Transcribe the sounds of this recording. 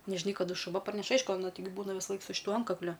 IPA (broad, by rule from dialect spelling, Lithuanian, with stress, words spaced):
nʲɛʒʲɪˈnɐɪ kɐˈdʊ ʃʊˈʋɐ pɐrʲˈnʲɛʃ ˈɐɪʃkʊ ɐˈnɐ tɐɪˈɡʲɪ ˈbuːnɐ ʋʲɪsɐˈlˠɐɪk sʊ ʃʲɪˈtuɔ ˈɐntkɐklʲʊ